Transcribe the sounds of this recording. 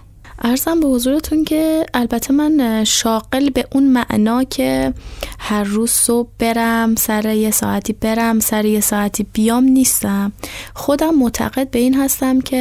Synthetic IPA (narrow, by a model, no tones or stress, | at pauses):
ʔæɾzæmbe̞ho̞zuːɾet̪ʰuncʰe̞ælbæt̪ʰːe̞mænʃɒːɢ̥e̞lbe̞ʔunmæʔnɒːcʰe̞hæɾːuːz̥sob̚be̞ɾæmsæɾeje̞sɒ̰ːʔæt̪ʰiːbe̞ɾæmsæɾejesɒːæt̪ʰiːb̥ijɒːmniːst̪æmxo̞d̪æmːot̪ʰæ̰ɣe̞d̪̚be̞iːnɦæst̪æmcʰe̞